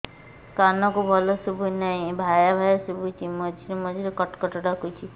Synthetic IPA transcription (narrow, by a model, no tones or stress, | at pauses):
kanɔkubʱɔlɔsubʱunaĩbʱajabʱajasubʱut͡ʃʰimɔd͡ʒʱiɾumɔd͡ʒʱiɾekɔʈkɔʈɔɽakut͡ʃʰi